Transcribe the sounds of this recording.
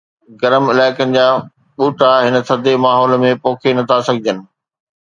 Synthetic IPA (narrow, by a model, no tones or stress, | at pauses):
ɡɐɾəmɪlaːɪkənɪ̆d͡ʑaː | ɓuːʈaɦɪnə̆sʰɐd̪ʱemaːɦɔːlmẽpoːkʰenɐt̪ʰasɐɡʱɪd͡ʑənɪ̆